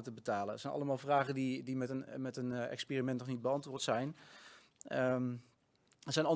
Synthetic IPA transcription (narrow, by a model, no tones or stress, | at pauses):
ətəbətaːlənətsɛjnʔɑ̰ləmaːlˠvraːχəndidimɛənmɛtənɛ̰kspiːrimɛntnɔχnid̚bəɑntʋʊːɹtsɛjn | ə | əz̥ɛjnɑ